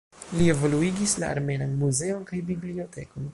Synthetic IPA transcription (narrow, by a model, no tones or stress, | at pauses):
lie̞vo̞luiɡislaa̰ɾme̞nanmuze̞o̞nkajbiblio̞tʰeko̞n